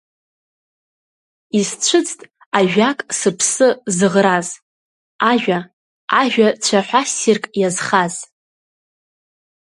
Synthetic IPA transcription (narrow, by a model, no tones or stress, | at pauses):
izt͡ɕʷʰɨt͡sʰʼtʼ | aʒᶣakʼsɨpʰsɨzɨʁraz | aʒᶣʷa | aʒᶣat͡ɕʷʰaħʷᶣasirkʼjazχaz